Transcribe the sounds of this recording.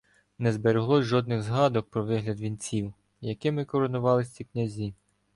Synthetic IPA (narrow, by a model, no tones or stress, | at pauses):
nɛzbeɾeɦlˠɔʒɔd̪nɪɣzɦɑd̪ɔk̚pɾɔʋɪɦlʲɐd̪ʋʲinʲt͡sʲiw | jɐkɪmɪkɔɾɔnʊʋɑlˠɪsʲtʲiknʲɐzʲi